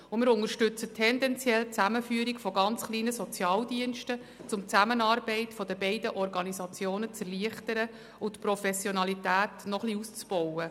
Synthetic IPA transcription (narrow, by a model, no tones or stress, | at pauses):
ʊmɪːɾʊnŋəɾʃtʏt͡sətʰːɛndɛnt͡sjɛlt͡sæməfyəɾikfɔɡɑnt͡sχliːnəsɔt͡sjɑːldiənʃtə | t͡sʊmt͡sæmənɑːɾbɛɪtfɔd̥əbɛɪdəʔɔrɡɑnisɑt͡sjoːnət͡sɛrliəχtəɾə | ʊt̪prɔfɛsjɔnɑlitæːtnɔχliust͡sb̥ɔwə